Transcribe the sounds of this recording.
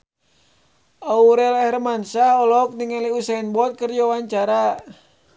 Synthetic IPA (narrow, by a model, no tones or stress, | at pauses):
auɾɛlhɛrmansahɔlɔk̚niŋaliusainbɔt̪̚kərd͡ʒawaɲt͡ʃaɾa